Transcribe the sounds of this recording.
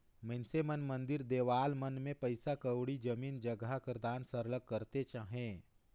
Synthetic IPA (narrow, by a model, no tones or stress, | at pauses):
mɛnsemənmə̃nd̪ɪɾd̪eːʋaːlmənmẽpəɪsakəwɽid͡ʒəmiːnd͡ʒəɡakəɾd̪aːnsəɾləkːəɾt̪et͡ʃaːɦẽː